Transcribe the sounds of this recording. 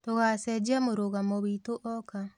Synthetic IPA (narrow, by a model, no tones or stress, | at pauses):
toɣasɛd͡ʒiamoɾoɣamɔβitoʔɔka